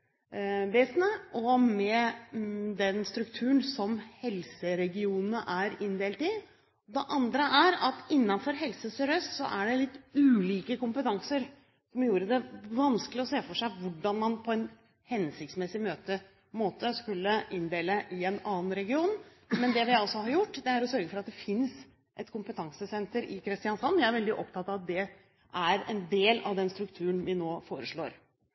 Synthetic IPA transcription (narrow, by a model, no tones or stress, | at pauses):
ʋeːsənəʔɔmɛ | d̪ɛnst̪ɾʉk̚t̪ʰʉːənsɔmhɛlsəɾɛɡɪuːnnəʔæɾɪnd̪eːlt̪ɪ | d̪ɛʔɑnd̪ɾəʔæɾɑt̪ɪnːɑnfɔɾɦɛlsəsɛɾøːst̪sɔ̰ʔæɖɛlɪt̪ːʉːliːkəkʊmpət̪ʰɑŋsəɾ | sɔmjuːɾəd̪ɛʋɑnsklɪɔseːfɔʂæɪʋʊɖːɑnmɑnpʰɔɛn | hɛnsɪçt̪smɛsɪmøːt̪ə | moːt̪əskʉlːəɪnd̪eːləʔɪɛnɑːn̩ɾɛɡɪuːn | mɛnd̪ɛʋɪɑlsɔhɑɾjʊʈːd̪ɛæɾɔsœɾɡəfɔɾɑt̪̚d̪ɛfɪns | ʔɛt̪kʰʊmpət̪ʰɑŋsəsɛnt̪əɾɪkʰɾɪst̪ɪɑnsɑnːʋjæɪæɾʋɛld̪ɪʔɔpt̪ʰɑt̪ːɑʋɑt̪̚d̪ɛ | ʔæɾɛ̰nd̪eːlɑ̰ʋd̪ɛnst̪ɾʉkt̪ʰʉːənʋɪnoːfoːɾəʂɭo̰ːɾ